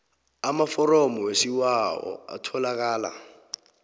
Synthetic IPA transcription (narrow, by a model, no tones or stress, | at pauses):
amafɔrɔmɔwesiwaɔ̰a̰tʰɔlak̬aːla̰